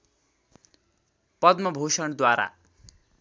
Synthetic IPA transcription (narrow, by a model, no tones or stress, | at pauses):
pʌd̪mʌbʱosʌɳd̪waɾa̰